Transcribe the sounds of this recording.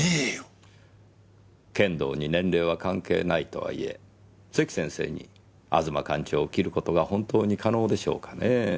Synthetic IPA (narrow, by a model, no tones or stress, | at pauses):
e | kẽ̞nd̪o̞̰ːɲ̟inẽ̞ɳɾe̞ːβ̞akãŋke̞̰ːnait̪o̞̰βa̰ḭe̞̰ | sekʲi̥sẽ̞ɰ̃se̞̰ːɲ̟ḭ | a̰zɨmakãɲ̟t͡ɕoːkʲiɾɯ̟ko̞t̪o̞ɡahõ̞nt̪o̞ːɲ̟ikano̞ːd̪e̞ɕo̞̰ːkḁne